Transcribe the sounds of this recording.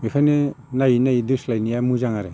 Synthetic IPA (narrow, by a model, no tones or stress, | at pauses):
ikʰane | najinajiduslajnijamuzaŋaɾe